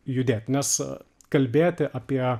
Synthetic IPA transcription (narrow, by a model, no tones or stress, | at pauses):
jʊd̪ʲeːt̪ʲnʲɛs | kɐlʲbʲeːt̪ʲɪʔɑːpʲiɛ